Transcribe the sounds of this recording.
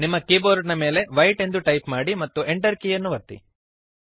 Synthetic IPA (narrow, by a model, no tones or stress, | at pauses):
nimːɐkiːboːɾɖnɐme̞ːle̞ʋɐjʈe̞nd̪uʈɐjpmaːɽimɐt̪ːuʔeɳʈɐɾkiːjɐnːuʋɐt̪ːḭ